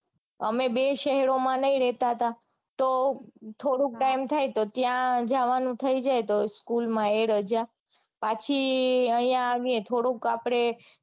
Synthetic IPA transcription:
ə̰mebeʃɛɦɛɾomãnəĩɾɛt̪aɦət̪a | t̪ot̪ʰoɽũk̚ʈajimt̪ʰajt̪ot̪jãd͡ʒaʋanũt̪ʰəid͡ʒajt̪oskulmãeɾəd͡ʒa | pat͡ʃʰiəĩjãːʋiẽt̪ʰoɽũkapɽ̃e

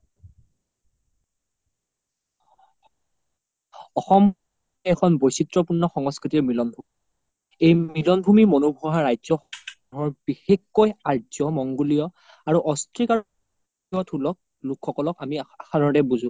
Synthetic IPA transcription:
ɔxɔm | ɛkʰɔnbojsitɹɔpuɹnːɔxɔŋɔskɹitiɹmɹilɔnbʱum | ejmilɔnbʱumimonubʱɔɦaɹajzɔ | ɔɦɔɹbixekːojaɹzɔmɔŋɡulijɔ | aɹuʔɔstɹika | ɔtʰulɔk̚ | lukʰːɔkɔlɔkamiaxadʱɔɹtɛbuzũ

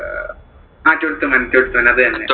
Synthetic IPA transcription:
aːtːoɽut̪ːumɐnɐt̪ʲːoɽut̪ːuʋɐnːeɐðɨɐnːe

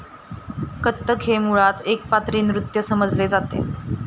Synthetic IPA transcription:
kət̪ːəkʰɦemuɭat̪ek̚pat̪ɾiːnɾut̪jəsəməd͡zled͡zat̪ḛ

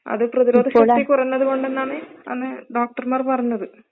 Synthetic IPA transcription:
ɐ̰ðɨprɐðiɾo̞ːd̪ʱɐɕɐːikːurɐjnːɐðuko̞ɳɖenːaːɳɨɐ̰nːɨɖoːk̚ʈɐrmaːrpɐrɐjunːɐðɨ

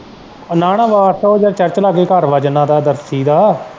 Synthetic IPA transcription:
naːɽ̃ãːʋaːsoːd͡ʒəɾt͡ʃəɾt͡ʃlaːɡeːkəɾʋəd͡ʒnãːd̪aːd̪əɾsiːd̪aː

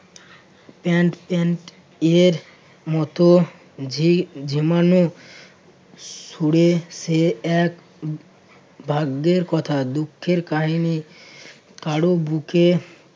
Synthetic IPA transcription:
pɛɳʈpɛɳʈ | eɾ | mɔt̪o | d͡ʑʱimano | suɽeseɛk | bʱaɡːeɾkɔt̪ʰad̪ukʰːeɾkaɦini | kaɽobuke

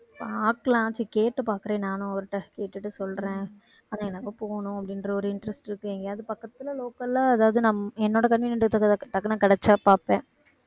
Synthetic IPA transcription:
paaːklãːt͡ʃikeːʈːɯpaːɾkɯɾẽːnaːnʊ̃ɐʋɐɾɯʈːɐkeːʈːɯʈːɯsɔlɾẽː | aːnaːɛnːɐkɐpoːnʊ̃ɐpːɐɽɪnɾɐɔɾɯɪɳɖɾɛsʈɪɾɯkːɯʋeːŋɡɐɐðɯpɐkːɐt̪ːɪlɐloːkɐlaːɐðaːʋɐðɯnɐmːɛnːoːɽɐkɐnʋiːnɐɖ̪ɐt̪ɐkːɐnãːkɪɽɛt͡ʃːaːpaːpẽː

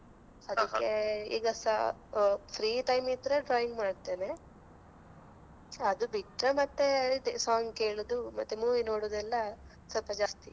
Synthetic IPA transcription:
ɐd̪ikːeḭːɡɐsɐ | pʰɾiːʈɐjmid̪ɐɾeɖɾaːjiŋɡmaːɖt̪eːne̞ | ɐd̪ubiʈɾɐmɐt̪ːesaːŋɡke̞ːɭud̪umɐt̪ːemuːʋinoːɽoːd̪ɛlːɐ | sɐlpɐd͡ʒaːst̪i

